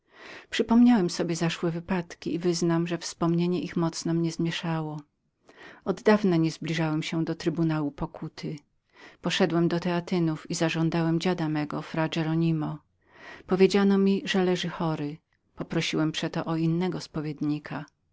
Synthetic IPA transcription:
pʂɘpɔmɲawɛmsɔbʲjɛzaʂwɛvɘpat̪kʲiːvɘznamʐɛfspɔmɲeɲɛʔixmɔt̪snɔmɲɛzmʲjɛʂawɔ | ɔd̪ːd̪avnaɲɛzblʲiʐawɛmɕɛd̪ɔt̪ɾɘbunawupɔkʰut̪ʰɘ | pɔʂɛd̪wɛmd̪ɔt̪ɛat̪ɘnufizaʐɔ̃nd̪awɛmd͡ʑad̪amɛɡɔfɾad͡ʒɛɾɔɲimɔ | pɔvʲjed͡ʑanɔmʲiʐɛlɛʐɘxɔɾɘ | pɔpɾɔɕiwɛmpʂɛt̪ɔʔɔinːɛɡɔspɔvʲjed̪ɲikʰa

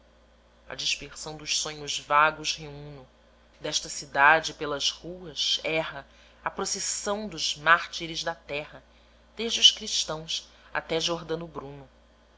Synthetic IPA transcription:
ɐ̰d͡ʒiʃpeχsɐ̃w̃d̪ʊʃsõɲʊzvaɡʊʃheũnʊ | d̪ɛʃt̪ɐsid̪ad͡ʒɪpelɐzhuɐsɛɦɐ | ɐpɾosesɐ̃w̃d̪ʊzmaɾt͡ʃiɾɪzd̪ɐt̪ɛɦɐ | d̪̥eʒd͡ʒɪuʃkɾiʃt̪ɐ̃w̃s | a̰t̪ɛʒoɾd̪ɐ̃nʊbɾũnʊ

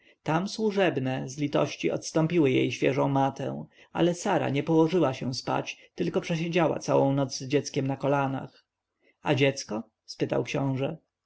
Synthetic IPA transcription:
t̪amswuʐɛbnɛzlʲit̪ɔ̰ɕt͡ɕiɔ̰t̪st̪ɔmpʲiwɘjḛjɕfʲjɛʐɔ̃w̃mat̪ɛ̰̃w̃ | a̰lɛsaɾa̰ɲɛpɔwɔʐɘwaɕɛ̃spa̰t͡ɕt̪ɘlkɔpʂɛɕ̬ed͡ʑawa̰t̪sawɔ̃w̃nɔd̪zzd͡ʑɛt̪skʲɛmnakɔlana̰x | ad͡ʑɛt̪skɔ | spɘt̪a̰wkɕɔ̃w̃ʐɛ

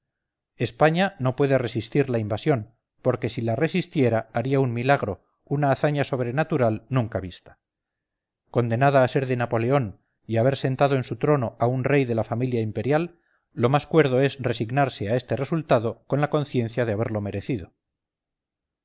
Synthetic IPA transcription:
e̞spaɲano̞pwe̞ðe̞re̞sist̪iɾlaimbasjo̞n | po̞ɾke̞silare̞sist̪jeɾaːɾiaummilaɣɾo̞ | unaːθaɲaso̞β̞ɾe̞nat̪uɾalnũŋkaβist̪ḁ | ko̞nd̪e̞naðaːse̞ɾðe̞napo̞le̞o̞n | iaβ̞e̞ɾse̞nt̪að̞o̞ensut̪ɾo̞no̞ʔaunre̞jðe̞lafamiljaimpe̞ɾjalː | o̞maskwe̞ɾð̞o̞e̞sre̞siɣnaɾse̞ae̞st̪e̞re̞sult̪aðo̞ko̞nlako̞nθje̞nθjaðeaβ̞e̞ɾlo̞me̞ɾe̞θið̞o̞

